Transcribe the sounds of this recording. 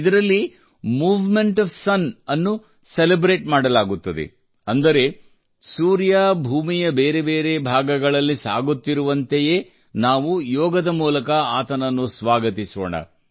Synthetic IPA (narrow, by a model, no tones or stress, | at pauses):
d̪ɐɾɐlːi | muːʋmeɳʈɐfsɐnɐnːu | selebɾe̞ːʈmaːɽɐlaːɡut̪ːɐd̪ḛ | ɐnd̪ɐɾe̞ | suːɾjaːbʱuːmijɐbeːɾe̞be̞ːɾe̞bʱaːɡɐɡɐɭɐlːisa̰ːɡut̪ːiɾuʋɐnt̪eje̞ː | naːʋujɔːɡɐd̪ɐmuːlɐkɐaːt̪ɐnɐnːusʋaːɡɐt̪iso̰ːɳɐ̰